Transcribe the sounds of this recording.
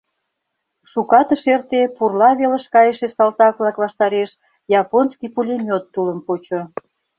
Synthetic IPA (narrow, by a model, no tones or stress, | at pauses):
ʃukɑt̪əʃert̪epurlɑβeləʃkɑjəʃesɑlt̪ɑkβlɑkβɑʃt̪ɑɾeʃ | jɑponskijpulʲemʲot̪ːuləmpot͡ɕo